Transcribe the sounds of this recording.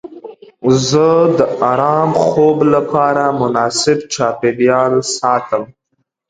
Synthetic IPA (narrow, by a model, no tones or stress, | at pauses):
zəd̪əaɾɑmxoblapɑɾamʊnɑːsɪbt͡ʃɑpeljɑlsɑt̪əm